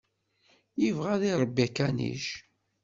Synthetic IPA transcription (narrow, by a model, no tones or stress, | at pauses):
jivʁæðiɾˤəbːikænḭʃ